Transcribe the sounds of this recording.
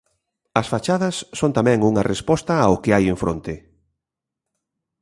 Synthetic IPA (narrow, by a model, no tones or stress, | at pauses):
ɐsfat͡ʃaðɐsːont̪amɛ̃ŋuŋɐrʔespɔst̪ɐaʊkɪajeɱfɾo̰nt̪ɪ